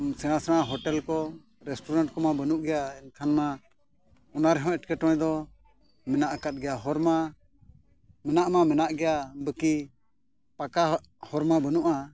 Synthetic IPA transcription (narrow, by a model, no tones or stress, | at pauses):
sɛɽ̃asɛɽ̃aɦɔʈɛlkɔ | ɾɛsʈuɾaɳʈ̚kɔmabənuʔɡɛjaɛnkʰanma | ɔnaɾɛɦɔ̃ɛʈkɛʈɔ̃ɛ̃d̪ɔ | mɛnaʔkat̪̚ɡɛjaɦɔɾma | mɛnaʔmamɛnaʔɡɛjabəki | paka | hɔɾmabənuʔa